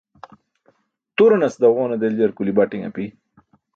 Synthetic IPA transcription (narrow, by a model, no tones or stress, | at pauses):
t̪uɾanɐsd̪awʁoːnad̪eljɐɾkulibaʈiŋa̰pi